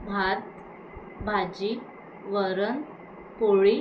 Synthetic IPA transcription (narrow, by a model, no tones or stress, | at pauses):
bʱat̪̚ | bʱad͡ʑi | ʋəɾən | koɭi